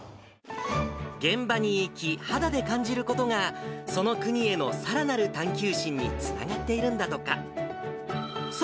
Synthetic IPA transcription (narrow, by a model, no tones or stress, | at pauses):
ɡẽ̞mbaɲ̟iːkʲihad̪ad̪e̞kãɲ̟d͡ʑiɾɯ̟ko̞t̪o̞ŋaso̞no̞kɯ̟ɲ̟ie̞no̞saɾanaɾɯ̟t̪ãŋkʲɨːɕĩɲ̟ːḭt͡sɨ̥na̰ɡat̪ːe̞iɾɯ̟̃nd̪at̪o̞ka̰ | s